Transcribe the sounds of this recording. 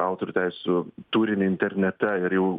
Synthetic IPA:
ɑˑʊt̪oɾʲuːt̪ʲæɪsʲɪsʲʊt̪uːɾʲɪnʲɪɪnʲt̪ʲɛɾʲnʲɛt̪ʲɛɪɾjɛʊ

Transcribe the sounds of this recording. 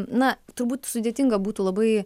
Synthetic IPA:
nɐt̪ʊɾbuːt̪sʊd̪ʲet̪ʲɪŋɡɐbuːt̪uːlˠɐbɐɪ

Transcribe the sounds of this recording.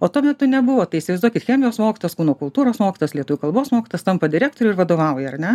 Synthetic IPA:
oːt̪uɔmʲɛt̪ʊnʲɛbʊʋoːt̪ɐɪisʲɪʋɐɪzd̪uɔkʲɪt̪xʲæːmʲɪjoːsmoːkʲɪ̥t̪oːjɛskuʊnoːkʊlˠt̪uːɾoːsmoːkʲɪt̪oːjɛslʲiɛt̪uːʋʲukɐlˠboːsmoːkʲɪt̪oːjst̪ɐmpɐd̪ʲɪɾʲæːk̚t̪oːɾʲuʊɪɾʋɐd̪oːʋɐʊjɛɐrnʲɛ

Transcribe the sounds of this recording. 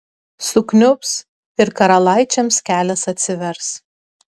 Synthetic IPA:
sʊknʲʊps | ɪɾkɐɾɐlˠɑˑɪt͡ʃʲɛmskʲæːlʲɛsɐt̪ʲsʲɪʋʲɛɾs

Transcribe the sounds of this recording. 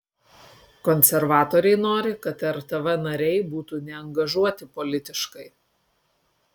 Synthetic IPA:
kɔnʲsʲɛɾʋɑːt̪oːɾʲɛɪnoːɾʲɪkɐt̪ɛɾt̪ɐʋɛnɐɾʲɛɪbuːt̪uːnʲɛɐŋɡɐʒuɔt̪ʲɪpɔlʲɪt̪ʲɪʃkɐɪ

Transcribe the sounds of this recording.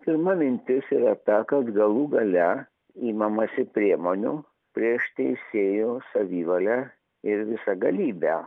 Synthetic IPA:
pʲɪɾmɐmʲɪnʲt̪ʲɪsiːɾɐt̪ɐkɐt̪ɡɐlˠuːɡɐlʲɛ | iːmɐmɐsʲɪpʲɾʲiɛmoːnʲʊ | pʲɾʲiɛʃt̪ʲɛɪsʲeːjoːsɐʋʲiːʋɐlʲæː | ɪɾʋʲɪsɐɡɐlʲiːbʲæː

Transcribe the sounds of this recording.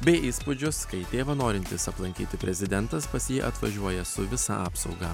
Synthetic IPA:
bʲɛɪʔiːspʊd͡ʒʲʊskɐɪt̪ʲeːʋɐnoːɾʲɪnʲt̪ʲɪsɐplˠɐŋʲkʲiːt̪ʲɪpʲɾʲɛzʲɪd̪ʲɛnt̪ɐspɐsʲjiːʔɐt̪ʋɐ̰ʒʲuɔjɛsʊʋʲɪsɑ̰ʔɑːpsɒʊɡɐ

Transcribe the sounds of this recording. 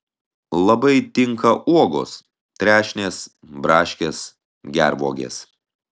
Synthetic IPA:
lˠɐbɐɪt̪ʲɪŋkɐʔuɔɡo̰ːs | t̪ʲɾʲæːʃʲnʲeːs | bɾɑːʃʲkʲeːs | ɡʲæɾʋuɔɡʲḛːs

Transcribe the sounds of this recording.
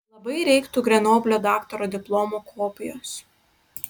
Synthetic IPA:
lˠɐbɐɪɾʲɛɪkt̪uːɡɾʲɛnoːbʲlʲoːd̪ɑːkt̪ɔɾoːd̪ʲɪplˠɔmokʰoːpʲɪjoːs

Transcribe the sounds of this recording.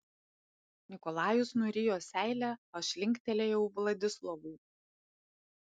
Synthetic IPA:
nʲɪkɔlˠɑːjʊsnuɾʲɪjoːsʲæɪlʲæɐʃʲlʲɪŋʲkʲt̪ʲɛlʲeːjɛʊʋlˠɐd̪ʲɪslˠɔʋuː

